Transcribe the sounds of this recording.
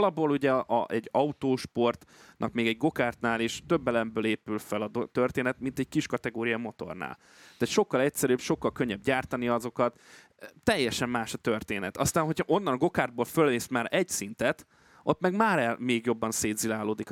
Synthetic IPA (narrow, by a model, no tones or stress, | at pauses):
lɒboːluɟɛʔɒ̰ʔɛɟːɒut̪oːʃpo̞rt̪nʔɒ̰kmeːɡɛɟɡo̞kaːrt̪naːleːʃt̪øbːɛlɛmbøːleːpylfɛlɒd̪ot̪ørt̪eːnɛt̪mint̪ɛɟkiʃkɒt̪ɛɡoːɾijɒmo̞t̪o̞̰rna̰ːl | t̪aːt̪ʃo̞kːɒlɛcsɛɾybʃo̞kːɒlkøɲːɛbɟaːrt̪ɒniɒzo̞kɒt̪ | t̪ɛjːɛʃɛmːaːʃɒt̪ørt̪eːnɛt̪ɒst̪aːnɦo̞chɒʔo̞nːɒnɡo̞kaːrd̪̚boːlfølneːst̪maːɾɛɟsint̪ɛt̪ | ʔo̞t̪mɛɡmaːɾɛlmeːɡjo̞bːɒnseːd̪zilaːloːd̪ik